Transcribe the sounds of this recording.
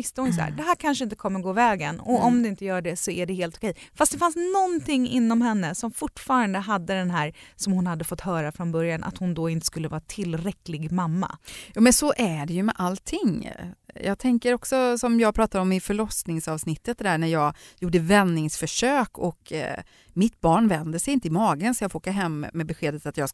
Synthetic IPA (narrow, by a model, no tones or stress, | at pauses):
ɪst̪əhʊnjəs̬æ̰ːɖ̪ɛɦæːɾkʰanʂəɪnt̪əkʰɔmːəɾɡoːvɛːɡənɔɔmd̪ɛɪnt̪əjœːɖɛsɔæɖɛheːlt̪ɔkʰɛjfast̪d̪ɛfansnɔnt̪ʰɪŋːɪ̰nːɔmɦɛnːəsɔmfʊʈːfɑːɾand̪əɦad̪ːəd̪ɛnɦæːɾsɔmhʊnhad̪ːəfɔt̪ːhœːɾafɾɔnbœɾjanʔa̰t̪hʊnd̪ɔɪnt̪ə̥skɵlːəvɑːɾat̪ʰɪlːɾɛklɪɡmamːa̰jɑːmɛnsɔʔæɖɛjɵmɛʔalt̪ʰɪŋ | jɑ̰ːɡ̚t̪ʰɛŋkəɾɔksɔsɔmjɑːɡ̚pʰɾɑːt̪ad̪ɔmɪfœɭɔsnɪŋsɑːvsnɪt̪ːət̪̚d̪ɛd̪æːɳæjɑːɡjuːɖəvɛnːɪŋsfœʂøːkʰɔk | mɪt̪bɑːɳvɛnd̪əsɛjɪnt̪əɪmɑːɡənsɔjɑːɡfoːkaɦɛmːɛbɛɧeːd̪ət̪at̪jɑː